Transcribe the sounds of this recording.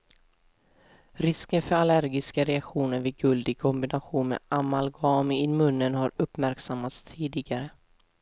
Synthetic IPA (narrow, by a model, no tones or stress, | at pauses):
ɾɪskənfœɾalæɾɡɪskaɾɛakɧuːnəɾvɪːɡɵld̪ɪɡ̚kʰɔmbɪnaɧuːnmḛamalɡɑːmɪɪmɵnːənhaɾɵpːmæɾksamːat̪st̪ʰiːd̪ɪɡaɾə